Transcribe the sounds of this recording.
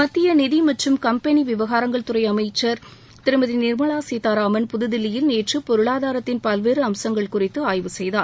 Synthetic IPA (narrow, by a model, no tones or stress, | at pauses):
mɐt̪ːɪjɐnɪðimɐʈrɯmkɐmpɛniʋɪʋɐɣaːɾɐŋɡɐɭt̪ʊrɐɪɐmɐɪt͡ʃːɐɾ | t̪ɪɾɯmɐðinɪɾmɐɭaːseːt̪aːɾaːmɐnpʊðɯðɪlːɪjɪlneːʈrɯpɔɾɯɭaːðaːɾɐt̪ːɪnpɐlʋeːɾɯɐmsɐŋɡɐɭkʊrɪt̪ːɯaːjʋɯsɛjðaːɾ